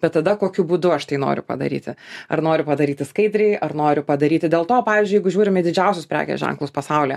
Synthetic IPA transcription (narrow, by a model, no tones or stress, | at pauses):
b̥ʲɛt̪t̪ːɐd̪ɐkoːkʲʊbuːd̪ʊɐʃt̪ɐɪno̰ːɾʲʊ̰pɐ̰d̪ɐ̰ɾʲḭːt̪ʲɪɐ̰rnoːɾʲʊpɐd̪ɐɾʲiːt̪ʲɪskɐɪd̪ʲɾʲɛɪʔɐrnoːɾʲʊpɐd̪ɐɾʲiːt̪ʲɪd̪ʲeːlˠt̪oːpɑːʋʲiːzʲd͡ʒʲʊjɛɪɡʊʒʲuːɾʲɪmʲd̪ʲɪd͡ʒʲɛʊsʲʊspʲɾʲæ̰ːkʲɛ̰sʒʲɛ̰ŋklˠʊːspɐsɐʊlʲeː